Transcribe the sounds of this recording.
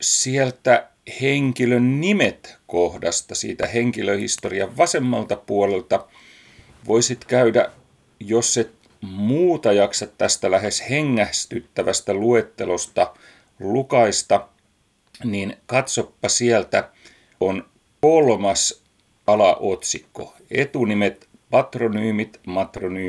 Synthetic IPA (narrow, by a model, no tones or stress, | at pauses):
sielt̪æ | heŋkilønnimet̪kohdɑst̪ɑsḭːt̪æheŋkiløhḭst̪oriɑʋʋɑsemːɑlt̪ɑpuolelt̪ɑ | ʋoisit̪kæydæ̰ | josːet̪ | muːt̪ɑjɑksɑt̪tːæst̪ælæhesheŋːæhst̪yt̪ːæʋæst̪æluet̪ːelost̪ɑ | lukɑist̪ɑ | niːnkɑt̪sopːɑsiælt̪æ | on | kolmɑs | ɑlɑʔot̪sikːo̰ | ḛt̪unimet̪ | pɑt̪ronyːmit̪mɑt̪ronyː